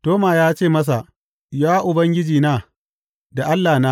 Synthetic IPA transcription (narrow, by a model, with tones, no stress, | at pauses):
toː˦maː˨jaː˦t͡ʃeː˦˨mɐ˦s̬a˨ | jaː˦ʔʊ˨bɐ˦ŋɡʲɪ˦d͡ʒiː˨naː˦˨ | da˨ʔa˦lːaː˨naː˦